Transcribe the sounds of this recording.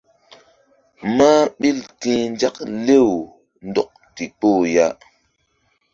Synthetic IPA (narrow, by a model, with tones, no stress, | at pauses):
ma˦ɓi˦ltĩː˦nd͡ʒa˦kle˦˨w | ndɔ˨k̚ti˨k͡po˦˨ja˦